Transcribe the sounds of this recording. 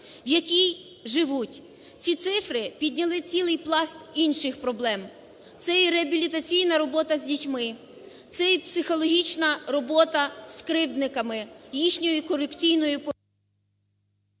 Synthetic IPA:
wjɐkʲij | ʒɪʋutʲ | t͡sʲit̪sɪfɾɪpʲid̪ʲnʲɐlˠɪt͡sʲilˠɪjplˠɑst̪inʃɪxpɾɔblˠɛm | t̪sɛjiɾeɐbʲilʲit̪ɐt͡sʲijnɐɾɔbɔt̪ɐzʲdʲitʲmɪ | t̪sɛipsɪxɔlˠɔɦʲit͡ʃnɐɾɔbɔt̪ɐskɾɪwd̪nɪkɐmɪjixnʲɔjʊkɔɾekt͡sʲijnɔjʊpɔ

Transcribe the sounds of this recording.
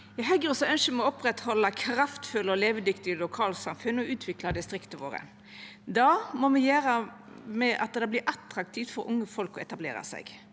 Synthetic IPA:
jæɡɦœɡəʁɔsɔœnʃəmɛɔɔpɾɛt̪hɔlːɑkʰɾɑft̪fʉlɔleːʋəd̪ʏkt̪ɪlʊkʰɑːlsɑmfʉnːɔʉːt̪ʰʋɪklɑd̪ɪst̪ʁɪkt̪əʋo̰ːɾə̰ | d̪ɑːmɔmɛjæːɾə | mɛʔɑ̰t̪̚d̪ɛbliːɾʔɑt̪ɾɑk̚t̪ʰiːft̪fɔɾʊ̰ŋːəfɔlkɔɛt̪ɑblḛːɾɑ̰sɛ̰ɡ

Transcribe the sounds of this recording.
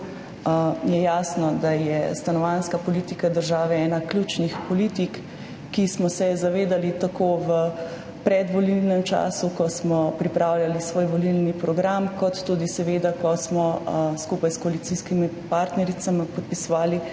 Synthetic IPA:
jɛjaːsnɔd̪ajɛ̰st̪anɔʋanskapɔlit̪ikad̪əɾʒaːʋɛɛːnaklʲuːt͡ʃnixpɔlit̪ikː | ismɔsɛzaʋeːd̪alit̪akoːʋə | pɾɛd̪ʋɔlilnɛmt͡ʃa̰ːsukɔsmɔpɾipɾaːwlʲjalisʋoːjʋɔlilnipɾɔɡɾamkɔt̪ːuːd̪isɛʋed̪akɔsmɔskupajskɔalit̪siskimipaːɾt̪nɛɾit̪samipɔt̪̚pisɔʋaːli

